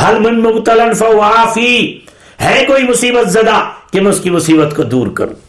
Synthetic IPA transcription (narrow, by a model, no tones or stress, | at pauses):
hɐlmɪnmʊbt̪ələnfɐaːfiː | hɛːkoːimʊsiːbət̪zɐd̪aːkemɛ̃ʊskimʊsiːbət̪kod̪uːɾkɐ̰ɾṵ̃ː